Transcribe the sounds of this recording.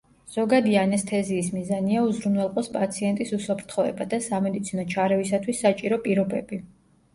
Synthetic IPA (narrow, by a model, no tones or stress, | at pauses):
z̥ɔɡad̪ianɛst̪ʰɛziːsmizaniauzɾumwɛlˠqʼɔspʼat̪sʰiɛnt̪ʼisusapʰɾt̪ʰχɔɛ̰bad̪asamɛd̪it̪sʰinɔt͡ʃʰaɾɛvisat̪ʰwisːat͡ʃʼiɾɔpʼiɾɔbɛbi